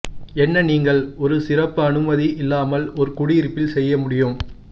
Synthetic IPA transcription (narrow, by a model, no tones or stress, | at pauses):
ɛnːɐniːŋɡɐɭɔɾɯsɪrɐpːɯɐnɯmɐðiʔɪlːaːmɐlɔɾɯkʊɽiɾpːɪlsɛjːɐmʊɽɪjɯm